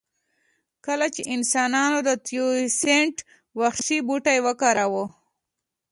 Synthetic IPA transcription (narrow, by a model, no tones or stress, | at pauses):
kəlat͡ʃeʔɪnsɑnɑnod̪ət̪juiseɳʈ | waxʃibuʈajwəkɑɾawo